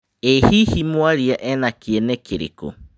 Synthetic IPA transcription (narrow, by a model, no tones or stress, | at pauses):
ehihimuaɾiaʔenakienekʰeɾḭkṵ